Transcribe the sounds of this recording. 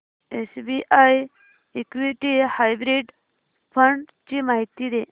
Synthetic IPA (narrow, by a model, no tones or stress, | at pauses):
esbiʔaj | ekʋiʈihajbɾiɖ | pʰəɳɖ | t͡ɕimaɦit̪ːid̪e